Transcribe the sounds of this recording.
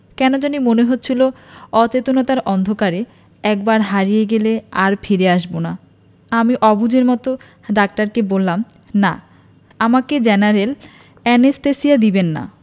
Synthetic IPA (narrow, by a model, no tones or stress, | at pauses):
kɛnod͡ʑonimoneɦot̪ːɕʰiloɔt͡ɕet̪onɔt̪aɾɔnd̪ʱokaɾe | ɛk̚baɾɦaɾijeɡeleaɾfʰiɾeaʃbona | amiʔɔbud͡ʑeɾmɔt̪o | ɖak̚ʈaɾkebolːam | na̰ | amaked͡ʑɛnaɾel | ɛnesʈ̪esiad̪ibenːa̰